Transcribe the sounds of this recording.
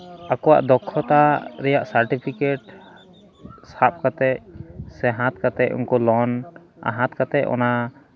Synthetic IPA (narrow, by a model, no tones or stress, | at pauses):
akɔwa̰ʔd̪ɔkʰːɔt̪aɾɛjaʔsaɾʈipʰikeʈ | sap̚kat̪ɛʔsɛɦãt̪̚kat̪ɛʔṵnkɔlɔn | a̰ɦãt̪kat̪ɛʔɔ̰na